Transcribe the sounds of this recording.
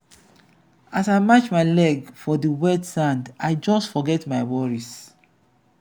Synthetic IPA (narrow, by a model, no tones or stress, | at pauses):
asaɪmat͡ʃmaɪlɛɡfɔdəwɛtsãndaɪd͡ʒɔstfɔɡɛtmaɪwɔɹis